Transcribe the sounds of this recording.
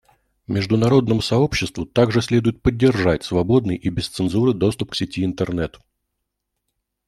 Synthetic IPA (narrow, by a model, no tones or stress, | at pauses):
mʲɪʐd̪ʊnɐɾo̞d̪nəmʊsɐo̞pɕːɪst̪vʊt̪aɡʐɨsʲlʲe̞d̪ʊjɪt̪̚pədʲːɪrʐatʲsvɐbo̞d̪nɨjʔibʲɪst̪sɨnzuɾɨd̪o̞st̪ʊp̚ksʲɪtʲiɪnt̪ərnɛt̪